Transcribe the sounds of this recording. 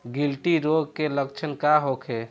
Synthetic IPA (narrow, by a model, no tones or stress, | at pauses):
ɡilʈiɾoɡ̚keləkt͡ʃʰənkaɦokʰe